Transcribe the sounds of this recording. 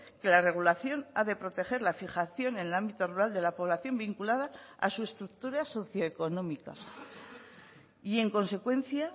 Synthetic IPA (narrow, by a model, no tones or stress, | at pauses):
ke̞lare̞ɣ̞ulaθjo̞naðe̞pɾo̞t̪e̞xe̞ɾlafixaθjo̞ne̞nelambit̪o̞ruɾald̪e̞lapo̞β̞laθjo̞mbiŋkulaðaa̰sue̞st̪ɾuk̚t̪uɾaso̞θjoeko̞nõ̞mika̰ | ie̞ŋko̞nse̞kwe̞n̟θja